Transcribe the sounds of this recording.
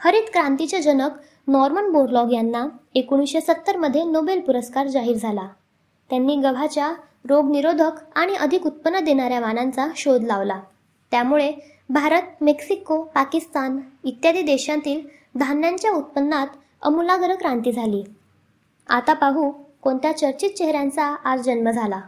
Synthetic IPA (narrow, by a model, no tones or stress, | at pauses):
həɾiːt̪kɾãnt̪it͡ɕad͡ʑənək | nɔɾmənboɾlɔɡjanːaekuɽ̃isɕesət̪ːəɾməd̪ʱːjenobelpuɾəskaɾd͡zaɦiːɾd͡zʱala | t̪janːiːɡəbʱat͡ɕja | ɾoɡniɾod̪ʱəkaɽ̃iʔəd̪ʱikut̪̚pənːəd̪eɽ̃aɾjaʋanant͡saɕod̪laʋla | t̪jamuɭe | bʱaɾət̪̚meksikopakist̪anit̪jad̪iːd̪eɕãt̪iːl | d̪ʱamnjaɲt͡ɕjaut̪̚pənːat̪ | ə̰mulaɡəɾəkɾãnt̪iːd͡zʱaliː | a̰t̪apaɦukoɳt̪jat͡ɕəɾt͡ɕit̪̚t͡ɕeɦɾjãnt͡saːd͡zd͡ʑənməd͡zʱala